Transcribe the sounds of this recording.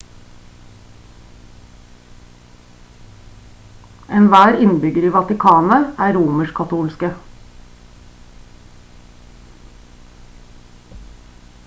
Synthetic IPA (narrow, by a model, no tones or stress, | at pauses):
ʔɛnʋæːɾɪnbʏɡəɾiːʋɑt̪ɪkʰɑːnəæːɾuːməʃkʰɑt̪ʰuːlskə